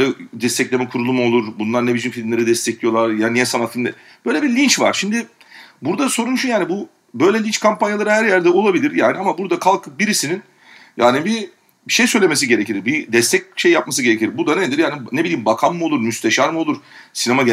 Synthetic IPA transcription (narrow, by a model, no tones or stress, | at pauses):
lʲɛd̪ɛst̪ʰɛclʲemɛkʰuɾulˠumo̞lˠuɾbunlˠaɾnebid͡ʒinfilʲmlʲe̞ɾid̪ɛst̪ʰɛclʲijo̞lˠaɾjaːnijɛsanat̪filʲmlʲḛ | b̥øjlʲebilʲint͡ʃva̰ɾ̥ʃimd̪ɪ | buɾd̪aso̞ɾunʃujaːnibu | bø̞jlʲɛlʲint͡ʃkʰampanjalˠaɾɯhæɾjæɾd̪ɛo̞lˠabilʲiɾjaːniamabuɾd̪akʰalˠkʰɯbiɾisinin | ja̰ːnibi | ʃe̞jsø̞jlʲeme̞s̬iɟe̞ɾeciɾbid̪ɛst̪ʰɛc̚ʃe̞jːapmasɯɟeeciɾbud̪aned̪iɾjaːnine̞bilʲiːmbakʰamːɯo̞lˠuɾmyst̪ʰeʃaɾmɯo̞lˠuɾ̥sinema